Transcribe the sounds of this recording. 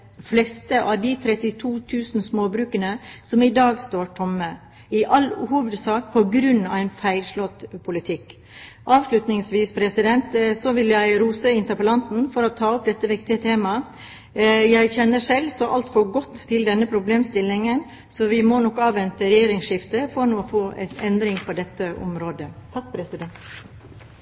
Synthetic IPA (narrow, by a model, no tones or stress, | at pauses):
flɛst̪əʔɑʋd̪ɪt̪ʰɾɛt̪ɪt̪ʰuːt̪ʰʉːsn̩smoːbɾʉːkənəsɔmɪd̪ɑːɡst̪oːʈʰɔmːə | ɪʔɑlːhuːʋəd̪sɑːkpʰɔɡɾʉnːɑ̰ʋæɪnfæɪlʂlɔt̪ːpʰʊlɪt̪ʰɪkː | ʔɑːʋʂlʉt̪nɪŋsʋiːspʰɾɛsɪd̪ɛnt̪sɔʋɪljæɪɾuːsəɪnt̪əɾpəlɑnt̪n̩fɔɾɔt̪ʰɑːʊp̚d̪ɛt̪ːəʋɪkt̪ɪət̪ʰeːmɑ | jæɪçɛnːəʂɛlsɔʔɑ̰lt̪fɔɾɡɔt̪ʰːɪld̪ɛnːəpʰɾʊbleːmst̪ɪlːɪŋən | sɔʋɪmɔnɔkɑːʋʋɛnt̪əɾɛjeːɾɪŋʂɪft̪əfɔɾnuːɔfoːʔɛ̰nɛnd̪ɾɪŋpʰɔd̪ɛt̪ːəʔɔ̰mɾoːd̪ət̪ʰɑk̚ːpʰɾɛsɪd̪ɛnt̪